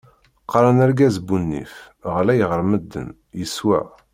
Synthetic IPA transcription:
qːɾˤɑnæɾɡæzbunːḭf | ʁlæjəʁəɾməd̪ːə̰n | jəswæ̰

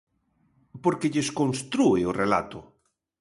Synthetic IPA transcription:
poɾkɪʎeskonst̪ɾuɪorela̰t̪ʊ

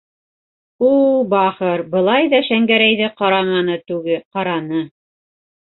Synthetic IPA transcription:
ulbɑχɤɾbɤ̆lˠɑjðɑʃæŋɡæɾæjðɘqɑɾɑmɑnɤt̪ʉɡɘqɑɾɑnɤ

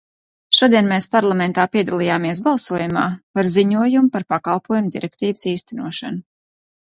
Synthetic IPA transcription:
ʃuɔd̪iɛnmeːspaɾlˠamɛnt̪aːpiɛd̪alˠijaːmiɛsbalˠsuɔjumaːpaɾziɲuɔjumupaɾpakalˠpuɔjumd̪iɾɛk̚t̪iːvəsiːst̪ɛnuɔʃanu

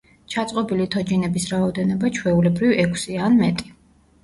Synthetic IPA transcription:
t͡ʃʰat̪sʼqʼɔbilit̪ʰɔd͡ʒinɛbisɾaɔd̪ɛnɔbat͡ʃʰwɛulɛbɾivɛkʰsianmɛt̪ʼi̥

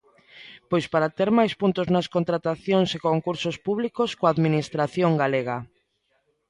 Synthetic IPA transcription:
pojspaɾat̪eɾmajspunt̪oznɐskont̪ɾat̪aθjoŋsekoŋkuɾsospuβlikoskoaðminist̪ɾaθjoŋɡaleɣ̞a

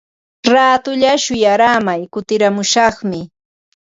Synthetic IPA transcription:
ɾaːt̪ʊʎaʃʊjaɾamajkʊt̪ɪɾamʊʃɑχmɪ

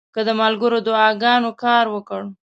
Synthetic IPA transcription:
kəd̪əmalɡəɾod̪ʊɑɡɑnokɑɾwəkəɽ

